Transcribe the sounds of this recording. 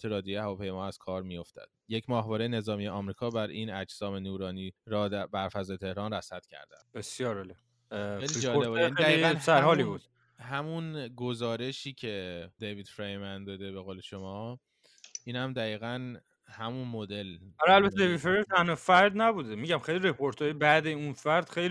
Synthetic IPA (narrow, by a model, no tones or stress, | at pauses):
t̪ʰeɾɒːd̪jjehævɒːpʰe̞jmɒːæz̥kʰɒːɾmijo̞ft̪ʰæ̰d̪̥jecʰmɒːɦvɒːɾejene̞zɒːmijeɒːmɾiːkʰɒːbæɾinæd͡ʒsɒːme̞nuːɾɒːniːɾd̪æbæɾfæzɒːjet̪ʰe̞hɾɒːnræsæt̪cʰæ̰ɾd̪æ̰nb̥esjɒːɾæle | ejlid͡ʒɒːloebænied̪æiːɡænsæɾɦɒːliːbuːd̪̥ | hæmunɡozɒːɾe̞ʃiːcʰe̞d̪eviːd̪̥fɾejmænd̪ɒd̪e̞be̞ɣoːle̞ʃomɒː | iːnhæmd̪æiːɣæn | hæmunmod̪e̞læɾælbæt̪ʰːed̪evid̪fɾejænt̪ʰænofæɾd̪næbud̪emiɟæmxejliɾepʰoɾt̪ʰoebæd̪eunfæɾd̪̥xejli